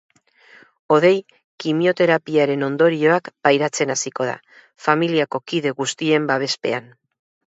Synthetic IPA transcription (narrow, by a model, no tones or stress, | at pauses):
o̞ðe̞j | kimio̞t̪e̞ɾapiaɾe̞no̞nd̪o̞ɾio̞akbajɾat͡se̞nasiko̞ð̞a̰ | familiako̞kiðe̞ɣust̪ie̞mbaβ̞e̞spe̞̰an